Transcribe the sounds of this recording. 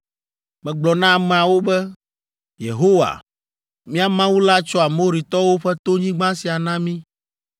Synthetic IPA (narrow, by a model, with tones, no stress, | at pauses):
mɛ̃˨ɡ͡blɔ˨nã˦˨mɛ̃˨a˨wo˦bɛ˦ | jḛ˨ɦo˦wa̰˨ | mĩ˦a˨mã˦wu˦la˦t͡ʃɔ˦a˨mo˦ɾi˨t̪ɔ˦wo˦ɸɛ˦t̪o˦ɲĩ˦ɡ͡bã˦si˨a˨nã˦mĩ˦